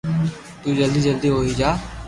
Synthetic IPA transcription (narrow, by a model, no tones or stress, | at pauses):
t̪uiːd͡ʒəld̪iːd͡ʒəld̪iːɦoːɦiːd͡ʒaː